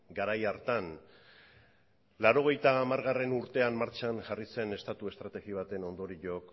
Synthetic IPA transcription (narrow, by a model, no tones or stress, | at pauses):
ɡaɾajaɾt̪an | laɾo̞ɣ̞e̞jt̪aːmaɾɣ̞are̞nuɾt̪e̞ammːaɾt͡ʃanʝarise̞ne̞st̪at̪ue̞st̪ɾat̪e̞ɣiβ̞at̪e̞no̞nd̪o̞ɾiʎo̞k